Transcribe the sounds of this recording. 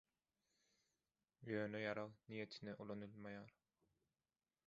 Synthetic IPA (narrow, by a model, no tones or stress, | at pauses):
jøːnøjɑɾɑʁnije̞t̪ʰineʔulˠonulˠmɑjɑːɾ